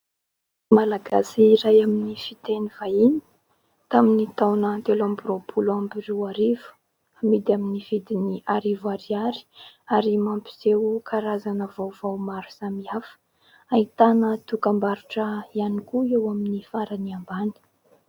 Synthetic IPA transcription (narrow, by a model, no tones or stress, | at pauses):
malaɡasiɾajaminifit̪enivaini̥ | t̪aminit̪awnət̪elambropʰuluambirewaɾivu̥ | amid̪iaminiv̥id̪iniʔaɾivaɾiaɾi̥aɾimampi̥z̥ewkʰaɾazanəvawvawmaɾu̥samiafə̥ | ait̪anət̪ukambaɾuʈ͡ʂəianikuewaminifaɾaniambani̥